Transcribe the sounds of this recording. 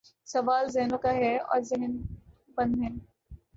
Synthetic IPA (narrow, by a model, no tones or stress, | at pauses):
sɐʋaːlzɛɦnõkaɦɛɔ̰ːɾzɪɦn | bɐ̃nd̪ɦɛ̃ː